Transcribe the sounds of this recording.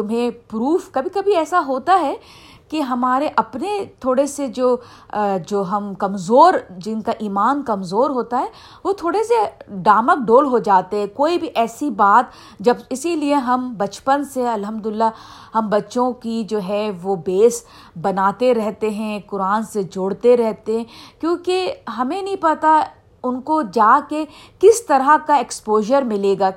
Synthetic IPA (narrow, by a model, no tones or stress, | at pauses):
t̪ʊmɦẽpɾuːfkɐbʱikɐbʱiɛːsaɦoːt̪aɦɛ | kiɦɐmaːɾeʔɐpnet̪ʰoːɽesed͡ʒoː | d͡ʒoːɦɐmkɐmzoːɾd͡ʒɪnkaʔiːmaːnkɐmzoːɾɦoːt̪aɦɛː | ʋot̪ʰoːɽeseɖaːmək̚ɖoːlɦod͡ʒaːt̪eɦɛ̃koːibʱiʔɛːsibaːt̪ | d͡ʒɐbɪsilieɦɐmbɐt͡ʃpənseɐlɦɐmd̪ʊɪlːahɐmbɐtːʃõkid͡ʒoːɦɛʋobeːs | bɐnaːt̪eɾɛɦt̪eɦɛ̃kʊɾaːnsed͡ʒʊːɽt̪eɾɛɦt̪eɦɛ̃kjõːkeɦɐmẽnɐɦĩpɐt̪a | ʊnkod͡ʒaːke | kɪst̪ɐɾakaekspoːʒəɾmɪleːɡaː